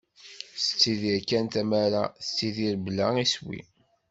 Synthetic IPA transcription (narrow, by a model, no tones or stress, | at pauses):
sət͡sːiðiɾkːænt̪æmæɾa̰θt͡sːiðiɾblæiswḭ